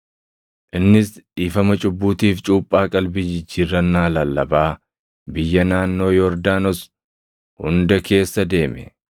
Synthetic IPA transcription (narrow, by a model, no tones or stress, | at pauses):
ʔɪnːɪsiːfɐmɐt͡ʃʼʊbːuːt̪iːft͡ʃʼuːpʼːaːkʼɐlbɪd͡ʒɪd͡ʒːiːrːɐnːaːlɐlːɐbaː | bɪjːɐnaːnːo̞ːjɔɾd̪aːnɔs | hʊ̰nd̪ɐke̞ːsːɐd̪e̞ːmɛ̰